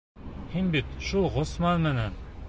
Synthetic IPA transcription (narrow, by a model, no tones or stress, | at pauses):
hinbit̪ʃulˠʁŏsmɑnmɘ̆næn